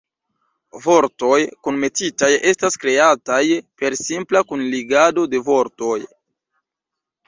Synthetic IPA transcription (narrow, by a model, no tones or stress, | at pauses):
vo̞ɾto̞jkunme̞titaje̞staskɾe̞atajpe̞ɾsimplakunliɡado̞de̞vo̞ɾto̞j